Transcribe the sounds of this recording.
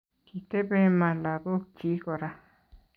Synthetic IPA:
ki˨t̪e˦be˦˧mã˨la˨ðo˦ki˨˦ko˨ɾa˧

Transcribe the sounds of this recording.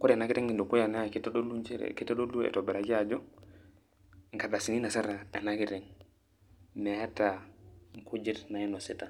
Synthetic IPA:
ku˦ɾa˨na˦ki˦tɛ˦ŋi˨ndu˨ku˦ja˨na˦˨ki˦ta˦ɗo˦lu˦nt͡ʃe˦ɾ̰ki˦tːa˦ɗo˦lu˦ɛ̰˨to˨bɛ˨ɾa˨d͡ʒi˦a˨d͡ʒɔ˦ | ŋ˨ka˨ɗa˨si˨ni˦na˨sa˦ɾa˨a˨na˦ki˦tɛ˨ŋ | me˨ja˦ta˨ŋ˨kʰu˦d͡ʒi˦ɾna˨i˦no˨se˦ta˨

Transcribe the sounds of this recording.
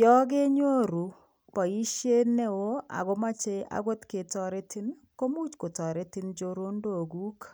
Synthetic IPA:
jɔ˦ɡe˦ɲo˦ɾu˨ | pɔ˨i˦ʃje˦ne˦wo˦a̰˨ɡo˦ma˦t͡ʃe˦ʔa̰˨ɡwo˦t̪ke˨tɔ˨ɾe˦tɪ˦n | ko˦mu˦t͡ʃko˨tɔ˨ɾe˦tɪ˦nd͡ʒo˦ɾo˦ndo˨ɡu˦k

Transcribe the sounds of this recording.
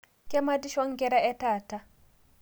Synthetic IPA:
kɛ˦madi˦ʃɔ˦ŋɡɛ˦ɾa˦ɛ˦ta˨ta˦

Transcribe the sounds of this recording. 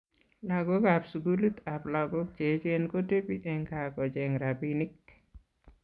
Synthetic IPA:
laɡo˦kapsu˨ɡu˦lu˦t̪a˨pla˨ɡo˦k̚t͡ʃe˨t͡ʃe˦nko˦te˦pi˦ʔɛ˨ŋka˨kɔ˨d͡ʒɛŋɾabinɪ˦k

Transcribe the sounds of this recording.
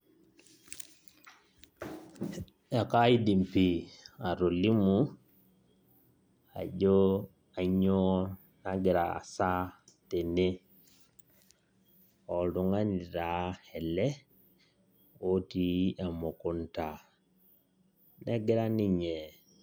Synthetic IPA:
a˨ka˦i˦di˨mpi˨a˨ɾo˨li˦mu˦ | a̰˨ɟo˦ | a˨ɲɔ˦ | naɡi˨ɾa̰˨sa˦te˨ne˦ | ɔ˨lu˨ŋa˦ni˨ɾa˨hɛ˨lɛ˦ | o˦ti˦ɛ˨mo˨ku˦n˦ta˨ | nɛ˦ɡi˦ɾa˦ni˦ɲɛ˨

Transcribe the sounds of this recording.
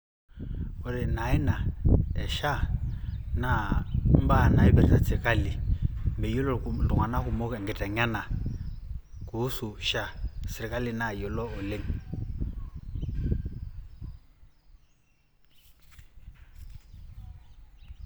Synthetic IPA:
u˨ɾi˨na˨ɛ˦na˨ɛ˨ʃa˦ | na˨m̩˦ba˦na˨i˦bɛ˨ɾi˨ta˨t͡sɪ˨ka˦li˨mbɛ˨ju˦lɔ˦˨tu˨ŋwa˨na˦ku˨mɔ˦kɛ˨ŋ˨ɡɛ˨tʼa˨ɲa˦na˨ | ku˨˦su˨ʃa˦sɪ˨ɾi˨kʼa˦li˨na˨jɔ˨lɔ˦ʊ˨le˦ŋ̩˨

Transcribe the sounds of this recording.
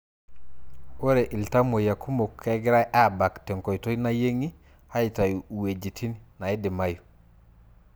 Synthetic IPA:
o˦ɾe˨ʔi˨lta˦mo˨ja˨kʰu˦mo˨kʰːɛ˦ɡɪ˦ɾa˦jʔa˦˨ba˨ktɛ˨ŋkɔ˨jto˦i˦na˦je˦ŋi˦ | ha˦i˨ta˨ju˨u˨we˨d͡ʒi˨tʰi˦nina˨i˦dɪ˨ma˦ju˨

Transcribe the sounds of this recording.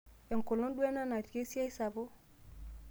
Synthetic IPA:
e˨ŋ˨ko˨lo˦nɗu˦e˦na˦na˨ti˨ke˦si˦a˦i˦sa˨bo˦

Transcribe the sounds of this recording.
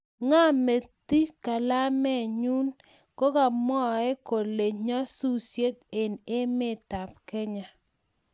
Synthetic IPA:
ŋa˦me˨t̪i˦ka˨la˦mɛ˦˨ɲu˦n | ko˦ka˨mɔ˦ɛ˦ko˨le˨ɲa˦su˦sje˦t̪e˨ne˦mɪ˦˨t̪a˨p̚kɛ˦ɲa˨

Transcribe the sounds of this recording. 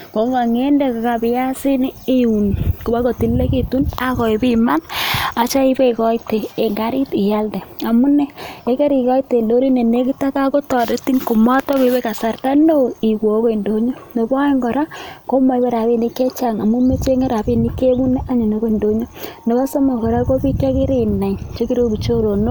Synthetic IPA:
ko˨˦ŋɡa˨ŋe˦nde˦ka˨ka˨pɪ˨˦ja˦si˦ni˦e˦u˨nku˨ba˦ko˨ti˨lːe˦ki˨tu˦na˦kɔ˨i˨bima˦na˨t͡ʃa˦i˦be˦kɔ˦i˦teː˨ŋɡa˦ɾi˦ti˨ja˦lde˨a˨mu˦ne˦e˨˦ke˦ɾi˨kɔ˦i˦te˨ndo˦ɾi˦ne˨ne˦ki˦ta˦ka˦ko˦tɔ˨de˦ti˦ŋko˨mɔ˦tɔ˦ke˨˦be˦ka˨sa˨rta˦no˦i˨kwo˨˦ko˦i˨ndo˦ɲo˦ne˨bɔ˦e˦ŋɡɔ˨ɾa˦ko˦ma˨i˦be˦ɾa˨βi˦ni˨ke˦t͡ʃa˨ŋa˨mu˦me˦t͡ʃe˦ŋe˦ɾa˨bi˦ni˦ke˦bu˦ne˦ʔa˦ɲe˨no˨˦ko˦i˨ndo˨ɲo˦ne˨ba˦so˦ma˨kɔ˨ɾa˦ko˦bi˦ke˦kɪ˦ɾi˨na˨ɲt͡ʃo˦ki˦ɾo˦bi˨t͡ʃo˦ɾo˨no˦

